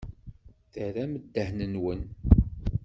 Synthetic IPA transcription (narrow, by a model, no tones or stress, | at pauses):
θəɾæməd̪ːəhnənwən